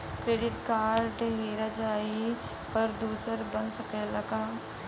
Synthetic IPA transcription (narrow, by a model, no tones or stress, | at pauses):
kɾeːɖɪʈkaːɾʈɦeːɾad͡ʒaːi | pɐɾd̪uːsəɾbɐnsɐkɛlɐɡa